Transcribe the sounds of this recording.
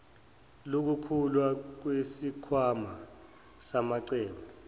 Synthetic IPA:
lok̬ukʰulwak̬wesikʰwama | samaǀɛːma

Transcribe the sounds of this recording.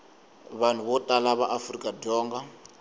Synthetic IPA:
βan̤uβɔtʼalaβaʔafrikʼadɔːŋɡa

